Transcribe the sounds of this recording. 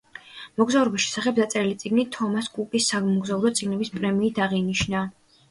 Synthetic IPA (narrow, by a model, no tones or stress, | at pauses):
mɔɡzauɾɔbisʃɛ̥saχɛb̚zat̪sʼɛɾilit̪sʼiɡnit̪ʰɔmaskʼukʼisːamɔɡzaulˠɔt̪sʼiɡnɛbispʼɾɛmiːt̪ʰaʁiniʃna